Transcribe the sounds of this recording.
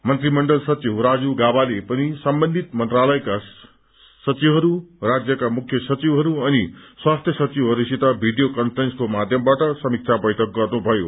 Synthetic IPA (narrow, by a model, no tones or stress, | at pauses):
mʌnt̪rimʌɳɖʌlsʌt͡siwɾad͡zuɡabalepʌnisʌmbʌnd̪ʱit̪mʌnt̪ralʌjka | sʌt͡sibɦʌɾurad͡zjʌkamukʰjʌsʌt͡sibɦʌɾuʌniswast̪ʰjʌsʌt͡sibɦʌɾusit̪abʱiɖijokʌnpʰʌɾenskomad̪ʱjʌmbaʈʌsʌmik̚t͡sʰabʌjʈʰʌk̚ɡʌrnubʱʌjo